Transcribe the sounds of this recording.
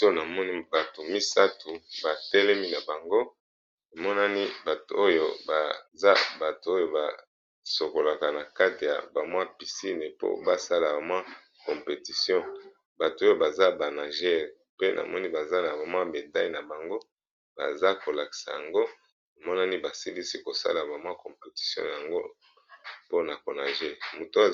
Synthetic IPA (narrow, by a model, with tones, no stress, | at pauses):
to˦na˨mɔ˦ni˦ba˨to˨mi˦sa˦tu˨ba˨tɛ˦lɛ˦mi˦na˨ba˨ŋɡo˦ | ne˨mɔ˦na˦ni˦ba˨to˨o˦jo˦ba˨za˦ba˨to˨o˦jo˦˨ba̰˨ | so˨ko˨la˨ka˨na˨ka˦ti˨ja̰˨ba˨mwa˦pi˨si˦ne˨po̰˦ba˦sa˦la˨ba˨mwa˦ | kɔ˨mpe˨ti˨sjɔ̃˦ | ba˨tu˨o˦jo˦ba˨za˦ba˨na˨ʒɛ˦˨ʁ | pe˦nʔa̰˨mɔ˦ni˦ba˨za˦na˨ba˨mwa˦be˨ta˦i˨na˨ba˨ŋɡo˦ | ba̰˨za˦ko˨la˨ki̥˨sa̰˨ja˨ŋɡo˦ | na˨mɔ˦na˦ni˦ba˨si˦li˦si˦ko˨sa̰˦la˨ba˨mwa˦kɔ̃˨mpe˨ti̥˨sjɔ̰̃˦ja˨ŋɡo˦ | po˦na˨ko˨na˨ʒe˦mo˨t